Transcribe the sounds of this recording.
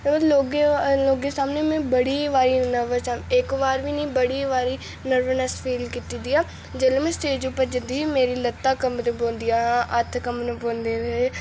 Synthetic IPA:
loːɡeloːɡeːsaːmneːmɛ̃ːbəɽiːʋaːɾiːnəʋəsamekʋaːɾʋiːnĩːbəɽiːʋaːɾiː | nəɾʋənəspʰiːlkiːt̪id̪iːaː | d͡ʒeːlemɛ̃ːst̪eːd͡ʒupəɾd͡ʒənd̪iːimeːɾiːlət̪ːaːkəmd̪bõːnd̪ijaːɦãːʔət̪ʰkəmnəbõːnd̪eːɾɦeː

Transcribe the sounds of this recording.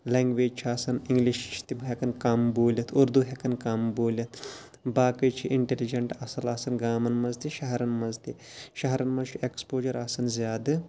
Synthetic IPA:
leŋɡʋeːd͡ʒt͡ʃʰiaːsɐniŋɡliʃt͡ʃʰi̥t̪ibɦekɐnkɐmboːlʲɐt̪ʰuɾd̪uɦekɐnkɐmboːlʲɐt̪ʰ | baːkɨt͡ʃʰiʔiɳʈelid͡ʒɐɳʈɐsɐlaːsɐnɡaːmɐnmɐzt̪iʃɐɦɐɾɐnmɐzt̪iʃɐɦɐɾɐnmɐzt͡ʃʰiekspoːd͡ʒɐɾaːsɐnzʲjaːd̪ɨ

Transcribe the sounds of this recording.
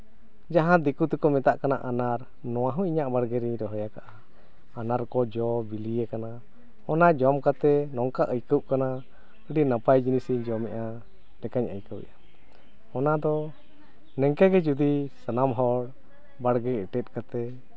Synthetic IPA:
d͡ʒaɦãd̪ikut̪ɛkɔmɛt̪aʔkana̰ʔanaɾ | nɔ̃w̃ãɦũʔiɲaʔbaɽɡɛɾiɲɾɔɦɔjakaʔaː | naɾkɔd͡ʒɔbilijɛkana | ɔnad͡ʒɔmkat̪ɛnɔŋkaʔəjkəʔkana | əɖinapajd͡ʒinisiɲd͡ʒɔmɛʔa | nɛkaɲə̰jkəwɛ̰jʔa | ɔnad̪ɔ | nɛŋkɛɡɛd͡ʒud̪isənamɦɔɽ | baɽɡɛɛʈɛt̪̚ˀkat̪ɛ

